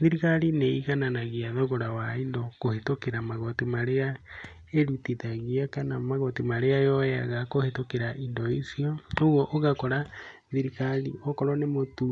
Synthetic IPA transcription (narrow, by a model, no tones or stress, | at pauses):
ðiɾiɣaɾineiɣananaɣiaðɔɣoɾawaindɔkohetokeɾamaɣotimaɾea | eɾutiðaɣiakanamaɣotimaɾeajɔja̰ɣakohetokeɾaʔindɔisiɔoɣɔʔoɣakɔɾa | ðiɾiɣaɾiɔkɔɾɔnemotu